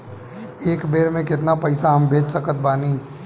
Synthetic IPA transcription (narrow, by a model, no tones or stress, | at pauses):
eːkbeːɾmẽkɪt̪napɐɪsaɦɐ̃mbʱeːd͡ʒsəkət̪̚baːniː